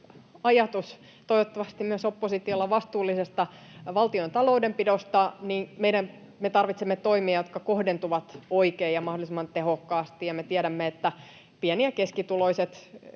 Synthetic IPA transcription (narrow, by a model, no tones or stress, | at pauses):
ɑjɑt̪us | t̪oiʋot̪ːɑʋɑst̪immyøsopːosit̪iolːɑʋɑst̪uːlːisest̪ɑʋɑlt̪iont̪ɑloudempidost̪ɑnimeiɾæn | met̪ɑrʋit̪semːet̪oimiɑjot̪kɑkohdent̪uʋɑt̪oikeːjjɑmɑhdolisemːɑnt̪ehokːɑːst̪ijɑmet̪iæɾæmːeet̪ːæ | piæniækeskit̪uloiset̪